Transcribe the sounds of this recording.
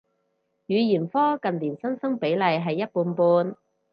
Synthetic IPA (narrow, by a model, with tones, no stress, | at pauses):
jyː˨˧jiː˨˩nfɔː˥kɐ˨nliː˨˩nsɐ˥nsɐ˥ŋpe˨˥jlɐ˨˧jɦɐ˨jːɐ˥t̚puː˧npuː˧n